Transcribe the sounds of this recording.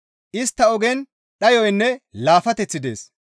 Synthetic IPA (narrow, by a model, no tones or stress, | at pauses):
ʔɪst̪ːɐɔɡɛn | ɗɐjɔjnːɛlaːfɐt̪ɛt͡sːɪd̪e̞̰ːs